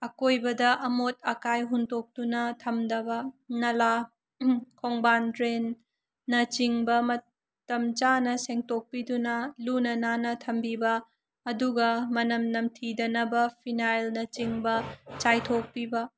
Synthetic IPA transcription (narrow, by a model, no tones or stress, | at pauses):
ɐkojbɐdɐʔɐmot̚ɐkajɦundok̚tunɐtʰɐmdɐbɐnɐla | kʰoŋbandɾenː | ɐt͡ʃiŋbɐmɐ | tɐmt͡ʃanɐseŋtok̚pidunɐlunɐnanɐtʰɐmbibɐː | duɡɐmɐnɐmnɐmtʰidɐnɐbɐpʰinajlnɐt͡ʃiŋbɐt͡ʃajtʰok̚pibɐ